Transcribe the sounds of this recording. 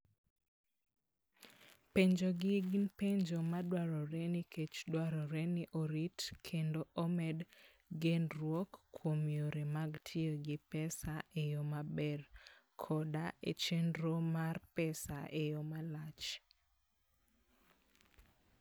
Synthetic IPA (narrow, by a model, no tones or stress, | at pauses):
peɲd͡ʒoɡɪɡɪnpeɲd͡ʒomadwaɾɔɾɛnikʰet͡ʃdwaɾɔɾɛnɪʔoɾitkʰendoʔomɛd | ɡenrwɔkːwomjoɾemaɡtʰɪoɡɪpɛsaejomabɛr | kʰɔdaʔet͡ʃendɾomarpɛsa̰ʔejomalat͡ʃ